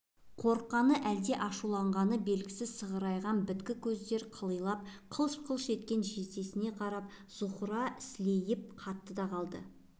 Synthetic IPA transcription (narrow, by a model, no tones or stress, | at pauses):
qʰo̞ɾqːɑnəʔæld̪e̞ʔɑʃulˠɑɴʁɑnəbe̞lɡʲɪsɪzsəʁəɾɑjʁɑnbɪt̪kʲɪkʲʰɵzd̪e̞ɾqʰəlˠəjlˠɑp̚qʰəlˠəʃqʰəlˠʃe̞t̪̚kʲe̞nʒezd̪e̞sɪne̞qʰɑɾɑp̚z̥ʊχəɾɑɪsle̞jɪp̚qʰɑt̪ːəd̪ɑqʰɑlˠd̪ə